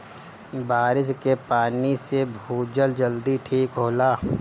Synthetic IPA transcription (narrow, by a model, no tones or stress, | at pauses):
baːɾɪs̬kepaːnisebʱuːd͡ʒəld͡ʒəld̪iʈʰiːkɦoːlaː